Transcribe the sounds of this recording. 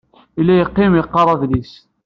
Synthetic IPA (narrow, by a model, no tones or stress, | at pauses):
ilːæjəqːimjəqːɑɾˤɑðlis